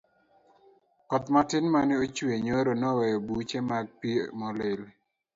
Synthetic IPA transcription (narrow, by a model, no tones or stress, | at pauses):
kɔt̪matɪnmanɪot͡ʃweɲoɾonɔwɛjɔbut͡ʃemaɡ̚pimɔlɪl